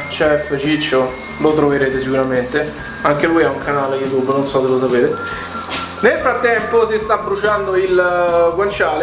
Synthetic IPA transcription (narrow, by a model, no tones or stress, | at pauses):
t͡ʃɛfət͡ʃit͡ʃːo | lot̪ɾoveɾeːt̪esikuɾament̪e | aŋk̟elujauŋkanaːlejut̪̬ubːnonsɔsːelosapeːt̪e | nelfɾat̪ːɛmposist̪abɾut͡ʃand̪oilkwant͡ʃaːl